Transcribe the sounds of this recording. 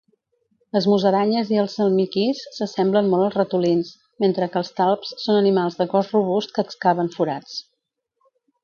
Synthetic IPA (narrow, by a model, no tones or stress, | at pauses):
ləzmuzəɾaɲəziəlˠsəlˠmikisːəsɛmblənmɔlˠəlˠzrət̪ulins | ment̪ɾəkəːlˠst̪alˠpsːonənimalˠzðəkɔsruβ̞ust̪̚kəːkskaβ̞əɱfuɾat͡s